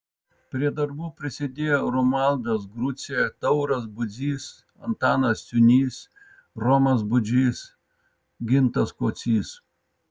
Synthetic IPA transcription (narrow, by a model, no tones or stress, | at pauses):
pʲɾʲiɛd̪ɐɾbuːpʲɾʲɪsʲɪd̪ʲeːjoːɾɔmɑˑlˠd̪ɐsɡɾʊt̪sʲɪjɛt̪ɐʊɾɐsbʊd̪zʲiːs | ɐ̰nt̪ɑːnɐssʲʊnʲiːs | ɾɔmɐsbʊd͡ʒʲiːs | ɡʲɪnt̪ɐskoːt̪sʲiːs